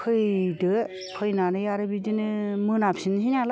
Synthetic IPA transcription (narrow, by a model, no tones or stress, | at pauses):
kʰɯjdɯ | pʰɯjnanɯjaɾɯbidinɯmɯnapsinɦinala